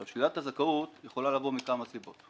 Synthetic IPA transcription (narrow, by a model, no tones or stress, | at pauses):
avʃlilat̪azakautjeχo̞lalavo̞mikamasibo̞t̪